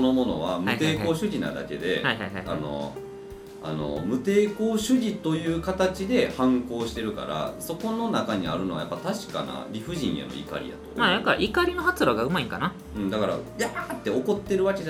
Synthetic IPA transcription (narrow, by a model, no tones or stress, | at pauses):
sono̞mo̞no̞̰βamɯt̪eːko̞ːɕɨɡʲina̰d̪a̰ke̞d̪e̞̰hajhajhaa̰no̞̰ | a̰no̞̰mɯ̟t̪e̞ːko̞ːɕɨɡʲit̪o̞jɯ̟ːkat̪at͡ɕid̪e̞hãŋko̞ːɕi̥t̪e̞ɾɯ̟ka̰ɾa̰so̞ko̞no̞nakaɲ̟ia̰ɾɯ̟no̞βa̰japːat̪aɕi̥ka̰na̰ɾʲiɸɯ̟ʑĩɰ̃jḛno̞̰ḭka̰ɾʲḭja̰t̪o̰majakːaʔikaɾʲino̞ɦat͡sɨɾaɡaɯ̟maĩŋkana | ɯ̃ɴd̪akaɾa̰jat̪ːe̞o̞ko̞t̪ːe̞ɾɯ̟βaked͡ʑa